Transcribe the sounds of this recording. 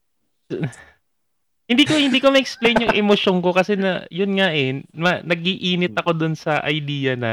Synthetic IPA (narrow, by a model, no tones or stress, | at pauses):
hɪnd̪iːkohɪnd̪iːko̞mɐʔɛk̚splejnjʊŋʔɛmoʃoŋko̞kɐsɛnɐjʊnŋaʔɛmɐnɐɡ̚iʔiːnɪt̪̚ɐko̞d̪ʊnsɐʔɐjd̪iːjɐnɐ